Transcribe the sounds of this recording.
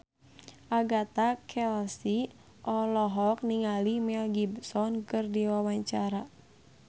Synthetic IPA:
ʔaɡat̪akʰɛlsi | ʔɔlɔɦɔk̚niŋalimɛlɡibsɔnkɨrdiwawaɲt͡ʃaɾa

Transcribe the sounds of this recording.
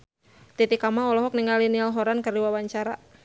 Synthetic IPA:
t̪it̪ikamaɔlɔɦɔk̚niŋalinialɦɔɾankərdiwawaɲt͡ʃaɾa

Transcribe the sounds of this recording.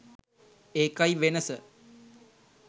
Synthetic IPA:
eːkajʋenəsə

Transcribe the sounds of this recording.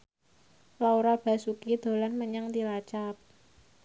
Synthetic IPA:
lauɾab̥a̤sukid̪̥o̤lanməɲaŋt̪ilat͡ʃap̚

